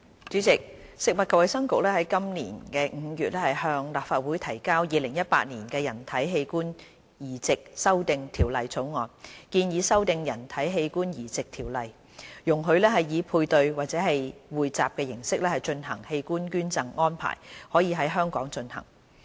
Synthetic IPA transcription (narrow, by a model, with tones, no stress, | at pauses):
t͡ʃyː˨˥t͡sɪ˨k̚sɪ˨k̚mɐ˨t̚kɐ˨wɐ˨˧jsɐ˥ŋkʊ˨k̚lɛː˥hɐ˨˥jkɐ˥mnḭː˨˩nkɛː˧ŋ̩˨˧jyː˨t̚lɛː˥hɐ˨jhœː˧ŋlaː˨p̚faː˨˧t̚wuː˨˥jt̪ʰɐ˨˩jkaː˥wjiː˨˧lɪ˨˩ŋjɐ˥t̚pa̰ː˧˥t̚niː˨˩nkɛː˧jɐ˨˩nt̪ʰɐ˨˥jɦe˧jkuː˥n | jiː˨˩t͡sɪ˨k̚sɐ˥wt̪ɪ˨ŋt̪ʰiː˨˩wlɐ˨jt͡sʰo˨˥wŋɔː˨nkiː˧njiː˨˧sɐ˥wt̪ɪ˨ŋjɐ˨˩nt̪ʰɐ˨˥jɦe˧jkuː˥njiː˨˩t͡sɪ˨k̚t̪ʰiː˨˩wlɐ˨j | jʊ˨˩ŋɦɵ˨˧ɥlɛː˥ɦɐ˨jjiː˨˧pʰuː˧jt̪ɵ˧ɥwaː˨t̚t͡sɛː˨˥ɦɐ˨jwuː˨jt͡sa̰ː˨p̚kɛː˧jɪ˨˩ŋsɪ˥k̚lɛː˥hɐ˨˩jt͡ʃɵ˧nhɐ̰˨˩ŋhe˧jkuː˥nkyː˥nt͡sɐ˧ŋŋɔː˥npʰa̰ː˨˩jhɔː˨˥jiː˨˧ɦɐ˨˥jɦœː˥ŋkɔː˨˥ŋt͡ʃɵ˧nhɐ̰˨˩ŋ